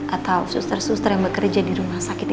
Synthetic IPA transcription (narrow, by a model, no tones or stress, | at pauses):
ʔat̪awsust̪ərsust̪ərjaŋbəkərd͡ʒadiɾumahsakɪt̪̚